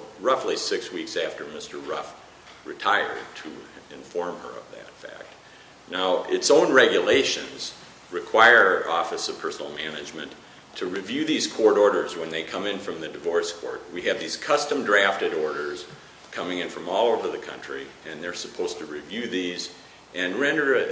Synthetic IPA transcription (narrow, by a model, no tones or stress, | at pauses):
ɹʌflisɪkswiksæftə˞mɪstə˞ɹʌf | ɹɨtʰaɪə̰˞d̚tʰɨɪ̃ɱfɔɹmə̰˞ʌ̰vðɨ̰tfæ̰k̚t̚ | naʊʔɪtsõʊ̃nɹɛɡjɨleɪʃɨ̃nz̥ | ɹɨkʰw̥aɪə˞ɔfɨsʌv̥pʰɜ˞sn̩l̩ˠmænɨd͡ʒmɨ̃n | tʰɨɹivjʉðiz̥kʰɔɹɾɔɹɾə˞zwə̃nðeɪkʰʌ̃mɨ̃nfɹʌ̃mðɨdɨvɔɹskʰɔ̰ɹt̚wiɨvðiz̥kʰʌstɨ̃mdɹæftɨɾɔɹɾə˞z̥ | kʰʌmɪ̃ŋɨ̃nfɹʌ̃mɔlˠoʊvə˞ðɨkʰʌ̰̃nt͡ʃɹ̥iɨ̃nðə˞səpʰoʊz̥tʰɨɹivjʉðiz | ʔɨ̃nɹɛ̃ndə˞